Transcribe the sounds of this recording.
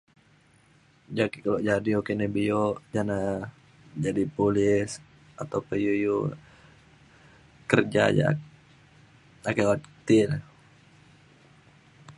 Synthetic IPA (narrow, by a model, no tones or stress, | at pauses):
d͡ʒakikaloʔd͡ʒadiokenɛbioʔd͡ʒana | d͡ʒadipulɪs | at̪awpəjuju | kərd͡ʒa̰d͡ʒa̰ | akaat̪ɪl